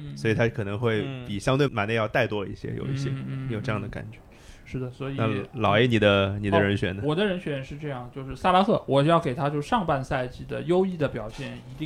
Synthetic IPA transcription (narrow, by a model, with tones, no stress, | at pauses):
swɔ˧˥i˨˩t̪ʰa˥kʰɤ˨˩nɤ˧˥ŋxwe˥˩ɪpi˨˩ɕjɑ˥ŋt̪we˥˩ɪma˨˩ne˥˧ɪjɑ˥˧t̪a˥˩ɪt̪wɔ˥ḭ˥˩ɕjɛ̰˥jo̰˨˩ʊḭ˥˩ɕjɛ˥ni˧˥jo˨˩ʈ͡ʂɤ˧jɑ˥ŋd̪ə˩ka̰˨˩nt͡ɕɥɛ˧˥ | ʂɻ̩˥˩d̪ə˩swɔ˧˥i˨na˥˧lɑ˨˩ʊe˧˥˩ni˨˩d̪ə˦ni˨˩d̪ə˦ɻə˧˥nɕɥɛ̰˧˥nə˧˦wɔ˨˩d̪ə˦ɻə˧˥nɕɥɛ˧˥nʂɻ̩˥˧ʈ͡ʂɤ˥˧jɑ˥˩ŋ˩t͡ɕjo˥˧ʊʂɻ̩˥˧sa˥˧la˥kʰɤ˥˩wɔ˨˩jɑ˥˩ʊke˨˩ɪt̪ʰa˥t͡ɕjo˥˧ʊʂɑ˥˧ŋpa˥˧nsa˥˧ɪt͡ɕi˥˩d̪ə̰˩jo˥ʊi˥˩d̪ə˩pjɑ˨˩ʊɕjɛ˥˩ni˧˥t̪i˥˧